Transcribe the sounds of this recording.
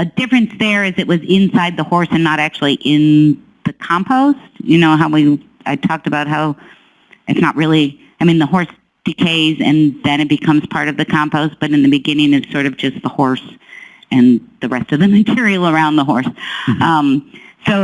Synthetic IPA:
ədɪfɹɨ̃nsðə˞ɪzɨʔ̚wʌzɪ̃nsaɪd̪̚ðəhɔɹsɨ̃nːəɾæk̚t͡ʃʉl̩ˠiʔɪ̃n | ðɨkʰɑ̃mpʰoʊst̚jɨnoʊɦaʊwi | aɪtʰɔk̚tɨbaʊt̚ɦaʊ | ʔɨtsnə̰ʔ̚ɹɪlˠi | aɪmĩnðəɦɔɹs | d̥ɨkʰeɪzɨ̰̃nðɨ̃ñɨt̚b̥ɨkʰʌ̃mz̥pʰɑɹɾʌvðɨkʰɑ̃mpoʊst̚b̥ʌɾɨ̃nðɨbɨɡɪ̃nɪ̃ŋɨtsɔɹɾʌvd͡ʒʌst̪̚ðəhɔɹs | ɨ̃nðɨɹɛstʌvðɨmɨtʰɪɹil̩ˠə˞ãʊ̃nðəɦɔɹsʌ̃msoʊ

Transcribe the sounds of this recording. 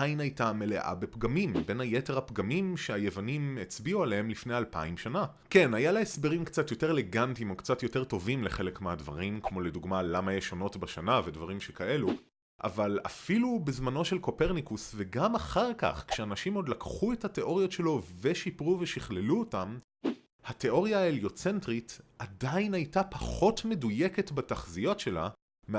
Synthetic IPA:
ajnajtame̞le̞ʔa̰bepɡamimbe̞najete̞ʁhapɡamimʃeajevanimet͡sbiualee̞mlifne̞jalpa̰imʃana | ke̞najalaesbeʁimkt͡satjo̞te̞ʁele̞ɡantimokt͡satjo̞te̞ʁto̞vimle̞χe̞lekmeadva̰ʁimkmo̞le̞duɡmalamajeʃo̞no̞tbaʃanavedvaʁimʃekaʔe̞lu | ʔa̰vala̰filubezmano̞ʃe̞lko̞pe̞ʁnikusve̞ɡamaχaʁka̰χkʃeanaʃimo̞d̪lakχue̞thate̞ʔo̞ʁijo̞tʃe̞lo̞ve̞ʃipʁuve̞ʃiχle̞luotam | hate̞o̞ʁjaeljot͡se̞ntʁitadainhajtapaχo̞tme̞duje̞ke̞tbataχzijo̞tʃe̞la̰ | m

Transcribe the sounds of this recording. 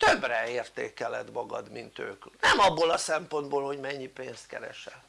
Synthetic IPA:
t̪øbrɛeːrt̪ḛːkɛlɛd̪mɒɡɒd̪mint̪ø̰ːknɛmɒbːolɒsɛmpo̞nd̪boːlhoɟmɛɲːipeːnst̪̚kɛ̰ɾɛ̰ʃɛl

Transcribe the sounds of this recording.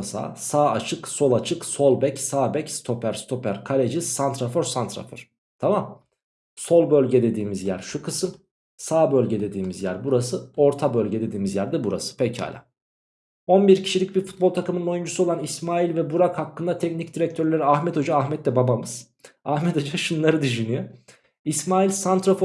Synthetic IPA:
sa̰ːsaːat͡ʃʰɯkso̞lˠat͡ʃʰɯkso̞lˠbɛcsaːbɛcst̪ʰo̞pʰæɾst̪ʰo̞pʰæɾkʰalʲed͡ʒisant̪ɾafoɾsant̪ɾa̰foɾ̥ | t̪ʰamam | so̞lˠbø̞lʲɟɛd̪e̞d̪iːmizjæɾʃukʰɯsɯm | saːbø̞lʲɟɛd̪e̞d̪iːmizjæɾbuɾasɯo̞ɾt̪ʰabø̞lʲɟɛd̪e̞d̪iːmizjæɾd̪ɛbuɾa̰sɯ̥pʰɛca̰ːlʲa̰ | o̞nbiɾcʰi̥ʃilʲic̚biɾfu̥t̪̚bot̪ʰakɯmɯnno̞jund͡ʒusuolˠanismaːilʲvɛbuɾakhakːɯnd̪at̪ʰɛcnicd̪iɾɛc̚t̪ʰøɾlʲeɾiaxmɛt̪ʰo̞d͡ʒaːxmɛt̪lʲɛbabamɯz̥ | ahmɛt̪ʰo̞d͡ʒaʃunlˠaɾɯd̪yʃynyjø | ismaːilʲsant̪ɾafo

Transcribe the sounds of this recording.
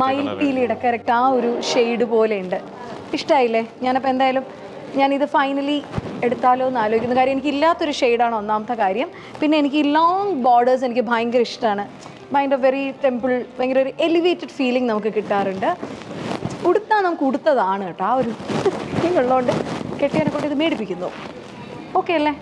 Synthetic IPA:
mɐjlpijiliɽɐkːɐɾek̚ʈːaːo̞ɾuʂe̞jɽɨpo̞ːleuɳɖɨ | iʂʈaːjilːeɲaːnɐpːoend̪aːjaɐlum | ɲaːniðɨfɐjnɐlie̞ɽut̪ːaːlo̞ːenːaːloɡikʲːunːɐkaːɾjɐmenikʲːilːaːt̪ːo̞ɾuʂejɽaːɳo̞nːaːmɐt̪ːɐkaːɾjɐm | pinːe̞enikʲːɨloːŋɡboːɖɐrs̬e̞nikʲːɨbʱɐjŋɡɐiʂʈaːɳɨ | bʱɐjŋɖɐʋe̞riʈe̞mbɨlʋeŋɡilo̞ɾuʔe̞liʋeːtːɐɖfiːliŋnɐmukːɨkiʈːaːruɳɖɨ | uɽut̪ːaːnɐmukːɨuɽut̪ːɐðaːɳɨkeʈːɐaːo̞ɾu | iŋoɭːɐːuɳɖɨkeʈːiʋɐnekːoɳɖiðɨmeːɽipːikʲːunːo̰ː | o̞ːkːe̞jɐlːe

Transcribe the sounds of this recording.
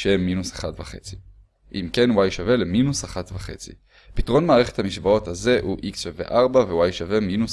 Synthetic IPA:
ʃemːinusaχatvaχe̞t͡si̥ | ʔḭmke̞nwajʃave̞leminusaχatvaχe̞̰t͡sḭ | pitʁo̞nmaːʁeχethamiʃbao̞thaze̞ʔuʔiksʃave̞̰ʔaʁbavewajʃave̞minus

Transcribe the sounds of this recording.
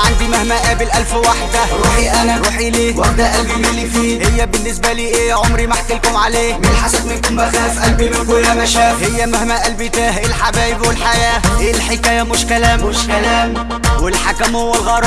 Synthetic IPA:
ʕand̪imahmæʔæːbɪlʔælfwaħd̪æɾuːħiʔænæɾuːħiliːwaħd̪æʔælbiɪlːifiːhɪjːæbɪnːɪsbæliːʔeːʕomɾimaħkɪlkʊmʕaleːmɪlħasad̪mɪnkʊmbaxæːfʔælbimɪkʊlːamæʃæːhɪjːæmahmæːʔælbit̪æːhʔɪlħabæːʔɪbwɪlħajæːʔeːlħekæːjæmʊʃkælæmmʃkælæːm | wɪlħakæmhʊwːɪlɣɑɾˤ

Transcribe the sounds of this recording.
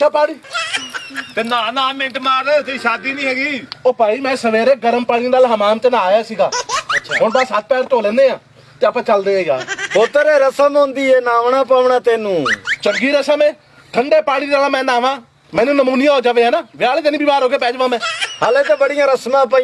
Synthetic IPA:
t͡ʃʰaːpaːɽiː | t̪eːnaːnãːmɪ̃ɳʈmaːɾt̪eʃaːd̪iːnĩːɦɛːɡiːoːpaːiːmɛ̃ːsəʋeːɾeːɡəɾəmpaːɽĩnaːlɦəmaːmt̪eːnãːjaːsiːɡaːʃʰaːɦʊnbaːsat̪̚pɛːɾt̪oːlɛ̃ːnd̪eːãː | t̪eːəpãːt͡ʃəld̪eːaːija̰ːpoːt̪əɾeːɾəsəmɦõnd̪iːeːnaːʋɳãːpaːʋɳãːt̪eːnũːt͡ʃəŋɡiːɾesəmẽː | kʰəɳɖeːpaːɽiːɾaːlãːmɛ̃ːnaːʋãː | mɛ̃ːnũːnəmuːnɪjãːɦoːd͡ʒaːʋeːaːnaːʋɪaːlːd͡ʒənĩːbiːbaːɾɦoːkeːpɛːd͡ʒʋãːmɛ̃ːhaleːt̪eːbəɽɪjãːɾəsmãːpa

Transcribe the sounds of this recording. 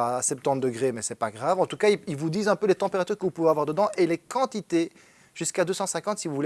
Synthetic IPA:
aːsɛp̚t̪ɑ̃t̪̚d̪əɡʁemɛsɛpaɡʁavɑ̃t̪ukaiilvud̪izɛ̃pølet̪ɑ̃peʁat̪yʁkəvupuveavwaʁd̪əd̪ɑ̃ʔelekɑ̃t̪it̪e | ʒ̥yskad̪øsɑ̃sɛ̃kɑ̃t̪sivuvul

